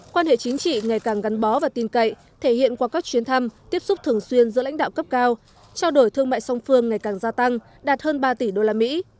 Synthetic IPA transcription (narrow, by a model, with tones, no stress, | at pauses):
kwaː˧nhḛ˧˨t͡ɕï˨˦ŋ̟t͡ɕḭ˧˨ŋa˨˩jkaː˨˩ŋɣa˨˦nɓɔ˨˦vaː˨˩t̪i˧nkə̰˧˨j | t̪ʰe˧˩hḭ˧˨ənkwaː˧˩kaː˦˥k̚t͡ɕwi˨˦ənt̪ʰa˧mt̪i˦˥əp̚sʊ˦˥p̚t̪ʰɨ˨˩əŋswi˧ənzɨ̰˧˥la̰˧˥ŋ̟ɗ̰aː˧˨wkə˦˥p̚kaː˧w | t͡ɕaː˧wɗo˧˩jt̪ʰɨ˧əŋma̰ː˧˨jsa˧wŋ͡mfɨ˧əŋːa˨˩jkaː˨˩ŋzaː˧t̪a˧ŋ | ɗaː˨˩t̚həː˧nɓaː˧t̪i˧˩ɗo˧laː˧mḭ˧˥